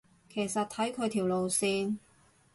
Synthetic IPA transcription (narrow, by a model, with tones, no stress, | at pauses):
kʰe˨˩jsɐ˨t̚t̪ʰɐ˨˥jkʰɵ˨˧ɥt̪ʰiː˨˩wlo˨wsiː˧n